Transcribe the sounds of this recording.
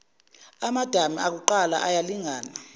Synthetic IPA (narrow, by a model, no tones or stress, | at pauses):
amad̥ʱamiak̬uǃala̰ʔajaliŋaːna